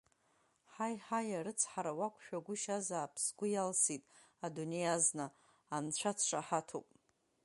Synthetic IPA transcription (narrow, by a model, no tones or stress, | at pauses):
ħajħajaɾɨt͡sʰħaɾawakʷʰʼʃᶣaɡʷʊʃazaːpʰsɡʷʊjalsitʼ | adune̞jaznɨː | nt͡ɕʷʰat͡sʰʂaħatʰo̰pʼ